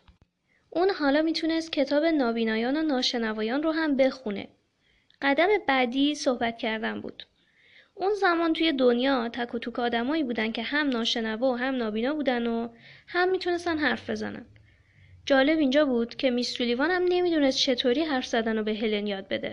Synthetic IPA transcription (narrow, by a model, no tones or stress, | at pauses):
ʔuːnhɒːlɒːmiːt̪ʰune̞st̪̚cʰe̞t̪ʰɒːbe̞nɒːbiːnɒːjɒːnonɒːʃe̞nævɒːjɒːnroɦæmbe̞xunḛ | ɢ̥æd̪æme̞bæd̪iːsohbæt̪cʰæɾd̪ænbṵːd̪̥ | ʔunzæmɒːnt̪ʰuːje̞d̪onjɒːt̪ʰækʰot̪ʰuːkɒːd̪æmɒːiːbuːd̪æn̚cʰe̞hæmnɒːʃe̞nævɒɦæmnɒːbiːnɒːbuːd̪ænohæmːiːt̪ʰune̞st̪ænɦæɾfbe̞zæ̰næ̰n | d͡ʒɒːle̞bind͡ʒɒːbuːd̪̥cʰe̞misɾulivɒːnhæmne̞miːd̪une̞st̪t͡ʃʰe̞t̪ʰoːɾiːɦæɾfz̥æd̪ænobe̞ɦelenjɒːd̪̚be̞d̪e̞̰